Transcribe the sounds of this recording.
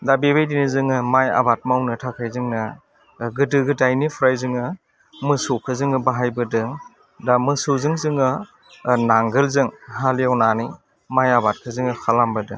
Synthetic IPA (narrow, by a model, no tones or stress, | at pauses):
dabibajdinizɯŋɯmaja̰bat̚mawnɯtʰakʰajzɯŋnɯ | ɡɯdɯɡɯdajnipʰɾajzɯŋɯ | mɯsokʰɯzɯŋɯbaɦajbɯdɯŋ | damɯsozɯŋzɯŋɯ | naŋɡɯlzɯŋɦalijawnani | majabat̚kʰɯzɯŋɯkʰalambɯdɯ̰ŋ